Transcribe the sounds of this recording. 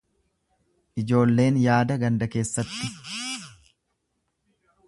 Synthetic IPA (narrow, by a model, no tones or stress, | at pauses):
ʔɪd͡ʒo̞ːlːe̞ːnjaːd̪ɐɡɐnd̪ɐke̞ːsːɐt̪ːɪ